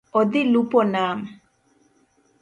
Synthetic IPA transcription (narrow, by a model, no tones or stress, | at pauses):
ɔd̪ilupɔnaːm